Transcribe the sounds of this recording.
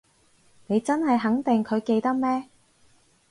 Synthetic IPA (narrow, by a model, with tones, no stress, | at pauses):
ne˨˧jt͡sɐ˥nhɐ˨jɦɐ˨˥ŋt̪ɪ˨ŋkʰɵ˨˧ɥke˧jt̪ɐ˥k̚mɛː˥